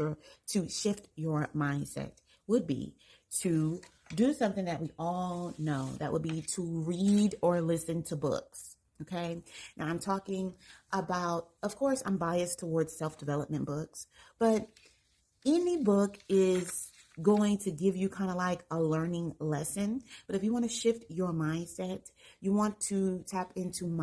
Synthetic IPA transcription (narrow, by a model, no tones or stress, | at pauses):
ə˞ɾɨʃɪftjə˞mãɪ̃nsɛ̰t̚ | wəd̚bḭ | tɾʰɨ | dɨsʌ̃mθɪ̃ŋðɨt̚wiʔɔlˠnoʊðɨ̰ʔ̚wʔəd̚biɾəɹiɾə˞lɪsɨ̃ntʰəbʊ̰ks | oʊkʰeɪnaʊãɪ̃mtʰɔkɪ̃ŋʔəbaʊɾ̚ʌv̥kʰɔɹsã̰ɪ̃mbaɪɨstʰəwɔɹdz̥sɛlˠfd̥ɨvɛlˠəp̚mɨ̃nb̥ʊksb̥ʌɾ | ɛnibʊkɪz̥ | ɡoʊɪ̃ŋtʰɨɡɪvjɨkʰãɪ̃ndəlaɪkəlɜ̃˞nɪ̃ŋlɛsɨ̃nb̥ʌɾɨfjɨwɑ̃ñɨʃɪftə˞mãɪ̃nd̥sɛtjɨwɑ̃ntʰɨtʰæpɪ̃ntʰʉm